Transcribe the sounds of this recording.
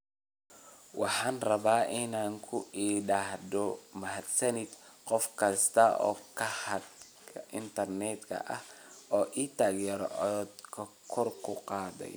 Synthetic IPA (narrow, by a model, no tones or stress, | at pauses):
wɑħɑːnrɐβaːʔɪnaːŋkʰʊiːɖaːɦd̪ɔmɐɦɐd̪sɐnɪd̪qɔfkʰɐst̪ʰɐɔ̰ːkʰɐhɐd̪ | kʰɐʔɪnt̪ʰɐrnɛd̪kʰɐ̰ʔɐhɔːʔiːt̪ʰaːɡjɛɾʕɔd̪kʰɐ | kʰɔrkʰʊqɑːðɛ̰j